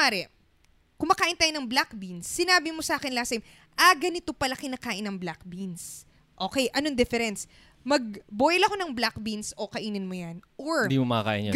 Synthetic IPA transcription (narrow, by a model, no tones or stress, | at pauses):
aɾɛ | kʊmɐkaːʔɪnt̪aːjonɐŋblak̚binsːɪnaːbɪmosɐaːkɪnlaːsɐjɪm | ʔɐɡɐnɪt̪o̞pɐlakɪnakaːʔɪnɐŋblak̚bins | ʔo̞ːkɛjʔɐnoŋd̪ɪfɛɾɛns | mɐɡ̚bojlɐko̞nɐŋblak̚binsʔo̞kɐʔiːnɪnmojɐnʔoɹd̪iːmomɐkɐka̰ːʔɪ̰n